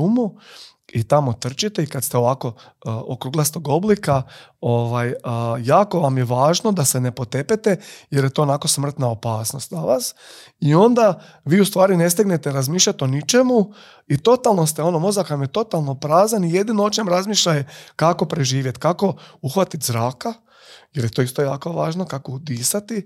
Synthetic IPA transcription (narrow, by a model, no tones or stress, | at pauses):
umuit̪amo̞t̪r̩t͡ʃit̪eikat̪st̪eo̞ʋaːko̞okɾuɡlˠast̪oɡoblikaoʋajːaːko̞ʋamjeʋaːʒno̞d̪ase̞ne̞po̞t̪e̞pet̪ejeɾje̞t̪o̞ːnako̞smr̩t̪nao̞paːsno̞st̪naʋaːs | io̞nd̪a | ʋiːust̪ʋaːɾine̞st̪eɡnet̪eɾazmiːʃʎʲat̪o̞nit͡ʃe̞mu | it̪o̞t̪alˠno̞st̪eo̞no̞mo̞zakʋamjet̪o̞t̪alˠno̞pɾaːzanije̞d̪inoot͡ʃemɾazmiʃʎajekako̞pɾe̞ʒiːʋje̞t̪kako̞uxʋat̪it̪zɾaːka | jeɾje̞t̪o̞ːist̪o̞jaːkoʋaːʒnokako̞ud̪iːsat̪i